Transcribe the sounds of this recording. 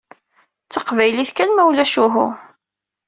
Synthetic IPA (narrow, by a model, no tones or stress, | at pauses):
t͡sːəqvæjliθkænmæwlæʃuɦʊ̰